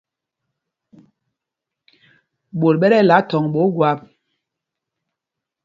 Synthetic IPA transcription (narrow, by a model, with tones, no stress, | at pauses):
ɓo˨lɓɛ˦ɾɛ˦˨la˨˦tɔ˨ŋɓo˨˦ɡwa˨˦p̚